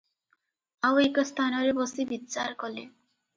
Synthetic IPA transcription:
awekɔst̪ʰanɔɾebɔsibit͡ʃaɾkɔli

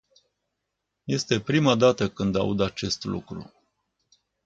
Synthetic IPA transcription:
je̞st̪e̞pɾimad̪at̪əkɨnd̪a̰ud̪at͡ʃe̞st̪lṵkɾṵ

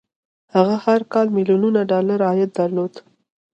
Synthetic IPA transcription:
haɣahaɾkɑlmiljununaɖɑlaɾɑjat̪̚d̪aɾlod̪

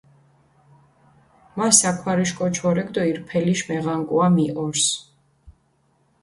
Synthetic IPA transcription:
masakʰwaɾiʃkʼɔt͡ʃʰɔɾɛɡd̪ɔiɾpʰɛliʃmɛʁaŋkʼuamiʔɔɾs

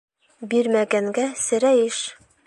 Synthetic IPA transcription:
biɾmæɡæŋɡæsɘ̆ɾæjɘʃ

